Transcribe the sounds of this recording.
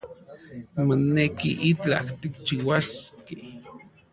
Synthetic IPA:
monekḭʔit͡ɬa̰ht̪ikt͡ʃiwaske

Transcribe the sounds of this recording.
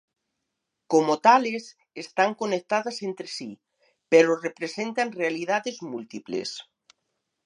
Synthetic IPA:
komot̪ales | est̪aŋkonek̚t̪aðasent̪ɾesi | peɾorepɾesent̪anrealið̞aðezmult̪iplḛs

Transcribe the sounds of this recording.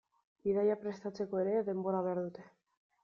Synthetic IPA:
iðajapɾe̞st̪at͡se̞ko̞e̞ɾe̞ðe̞mbo̞ɾaβ̞eaɾðut̪e̞̥

